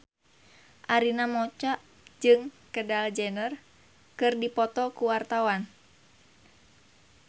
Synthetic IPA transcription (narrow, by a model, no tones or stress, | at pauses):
ʔaɾinamɔt͡ʃaʔ | d͡ʒɨŋkədald͡ʒɛnər | kɨrdipɔt̪ɔkuwart̪awan